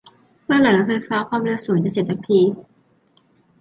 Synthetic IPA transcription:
mɯː˥˩laː˧˩ŋa˥˩kʰɤː˧jfaː˦˥kʰwaː˧mlɯː˧su˨˩˦ŋt͡ɕa˨˩si˨˩t̚t͡ɕa˨˩k̚t̪ʰiː˧

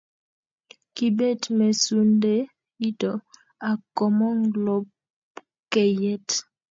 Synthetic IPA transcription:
ki˨be˦˨tme˨su˦nde˦ | i˦to˨ | a˨kɔ˨mɔ˦ŋɡlɔ˦b̚ | kɛ˨jɛ˦t

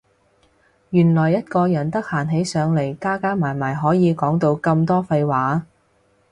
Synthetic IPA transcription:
jyː˨˩nlɔː˨˩jːɐ˥t̚kɔː˧jɐ˨˩nt̪ɐ˥k̚haː˨˩nɦe˨˥jsœː˨˧˥ŋle˨˩jkaː˥kaː˥maː˨˩jmaː˨˩jɦɔː˨˥jiː˨˧kɔː˨˥ŋt̪o˧wkɐ˧mt̪ɔː˥fɐ˧jwaː˨˥

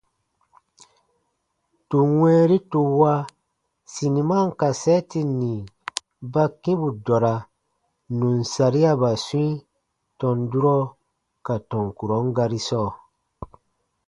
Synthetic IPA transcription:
tu˨wɛ̃ː˦ɾi˦tu˧wa˦ | si˨ni˨ma˦˨ŋ˦ka˨sɛ˦ti˦nĩ˨ | ba˦kĩ˦bu˨dɔ˨ɾa˨ | nũ˨nsa˨ɾi˦a˦ba˨su˦ĩ˦ | tɔ̃˨ndu˦ɾɔ˦ | ka˨tɔ̃˨ŋku˨ɾɔ̃˨˦ŋɡa˧ɾi˦sɔː˦˨

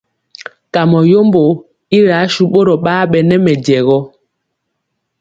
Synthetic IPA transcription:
ka˨mɔ˨jo˦mbo˨ | i˦ɾaː˨˦ʃu˦ɓo˦ɾɔ˨ɓaː˦ɓɛ˨nɛ˦mɛ˨dɛ˨ɣɔ˦

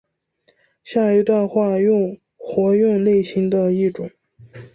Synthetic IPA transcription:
ɕja˥˩i˧˥t̪wa˥˧nxwa˥˧ʊ˥˧ŋ | xwɔ˧˥ɥy˥˧nle˥˩ɪɕi˧˥ŋd̪ə˧i˥˩ʈ͡ʂʊ˨˩˦ŋ

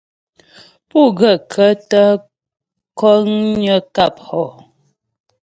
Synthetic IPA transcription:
pu˦˨ɡə˨kʰə˦tə˦ | kɔ˦ŋɲə˦ka˦˨p̚hɔ˨

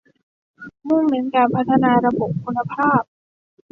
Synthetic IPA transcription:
mu˥˩ŋme˩˦nkaː˧npʰa˦˥t̪ʰːa˧naː˧ɾa˧bo˨˩p̚kʰu˧nːa˧pʰaː˥˩p̚

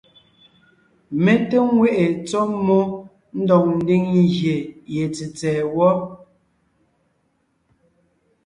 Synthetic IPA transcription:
me˨te˦ŋwe˦ʔe˨t͡sɔ˦mɔ˦ | n̩˦dɔ˨ŋ̚n̩˦di˦ŋɣje˨je˨t͡si˨t͡sɛː˨wɔ˦

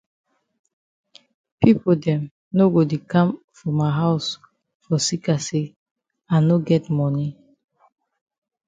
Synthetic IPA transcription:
pi˦po˨dɛ̃˨m | no˦ɡo˨de˨kã˦m | fɹɔ̃˨mːa˨ɦa˦ʊs | fɔ˨si˦kase˦ | a˨no˦ɡɛ˦tmɔni˦

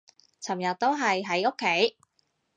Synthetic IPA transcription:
t͡sʰɐ˨˩mjɐ˨t̚t̪o˥wɦɐ˨jɦɐ˨˥jo˥kʰːe˨˥j

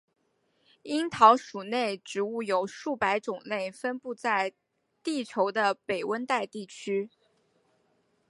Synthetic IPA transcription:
i˥nt̪ʰɑ˧˥ʊʂu˨˩ne˥˩ɪʈ͡ʂɻ̩˧˥u˥˩jo˨˩ʊʂu˥˩pa˧˥ɪʈ͡ʂʊ˨˩ŋle˥˩ɪfə˥npu˥˧t͡sa˥˩˧ɪ | t̪i˥˩t͡ɕʰjo˧˥ʊd̪ə˧pe˨˩ɪwə˥nt̪a˥˧ɪt̪i˥˩t͡ɕʰy˥

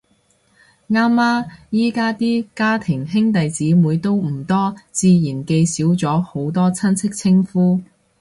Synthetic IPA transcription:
ŋaː˥mːaː˥jiː˥kaː˥t̪iː˥kaː˥t̪ʰɪ˨˩ŋɦɪ˥ŋt̪ɐ˨jt͡siː˨˥muː˨˧jt̪o˥wm̩˨˩t̪ɔː˥t͡siː˧jiː˨˩nke˧jsiː˨˥wt͡sɔː˨˥ho˨˥wt̪ɔː˥t͡sʰɐ˥nt͡sʰɪ˥k̚t͡sʰɪ˥ŋfuː˥

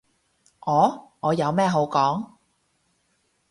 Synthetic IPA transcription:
ʔɔː˨˥ŋɔː˨˧jɐ˨˧wmɛː˥˩ɦo˨˥wkɔː˨˥ŋ

